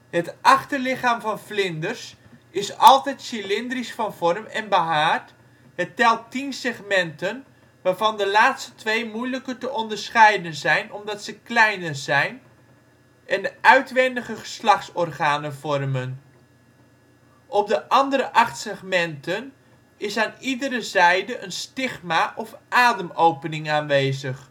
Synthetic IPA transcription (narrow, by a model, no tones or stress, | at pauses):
ɦətʔɑχtəlɪχaːmvɑnflɪndərs | ɪsɑlˠtɛjtsilɪndrisfɑnv̥ɔrmɛnbəɦaːt | ɦətɛlˠtinsɛχmɛntən | ʋaːɹvɑndəlaːtstətʋejmujləkətəʔɔndəɹsχɛjdənzɛjnɔmdɑtsəklɛjnəzɛjn | ʔɛndəʔœɥtʋɛndəχəχə̥slɑχtsɔrχaːnənvɔrmən | ʔɔp̚dəʔɑndəɾəʔɑχtsɛχmɛntən | ɪsaːnidəɾəzɛjdəʔənstɪχmaːʔɔfʔaːdəmowpənɪŋaːnʋejzəχ